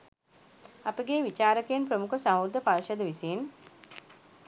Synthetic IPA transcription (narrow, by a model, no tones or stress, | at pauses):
apəɡeːʋit͡ʃaːɾəkejənpɾəmukəsamuɾd̪əpaɾʃəd̪əʋisen